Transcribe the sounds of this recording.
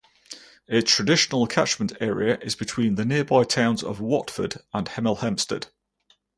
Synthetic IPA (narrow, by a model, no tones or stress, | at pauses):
ɪtʰɹ̥ədɪʃənəlˠətʰa̰t͡ʃmə̃ntʰɛːɹḭəʔɪzbɪtʰw̥ĩːnðənɪəbaɪtʰãʊ̃nzə̰vwɒtfə̰də̃nhɛmɪlˠhɛ̃mstə̰d̥